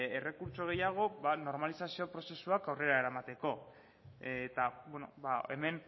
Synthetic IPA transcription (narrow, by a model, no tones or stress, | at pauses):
ere̞kuɾt͡ʃo̞ɣ̞e̞jaɣ̞o̞bano̞ɾmalisasio̞pɾo̞se̞suakawre̞ɾaeɾamat̪e̞ko̞ | t̪abweno̞̰bae̞me̞n